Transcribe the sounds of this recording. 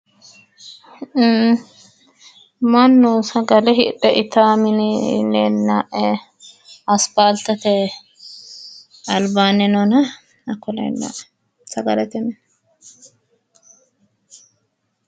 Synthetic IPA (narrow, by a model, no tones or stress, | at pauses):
mɐnːuːsɐɡɐlɛɦɪᶑɛʔɪt̪aːmɪnɪneːnːaːʔɛ | ɐspaːlt̪ɐt̪ɛ | ɐlbaːnɛnɔnɐ | ɐkːɔlɛ̰ːnːa̰ːʔɛ̥ | sɐɡɐlɛt̪ɛmɛn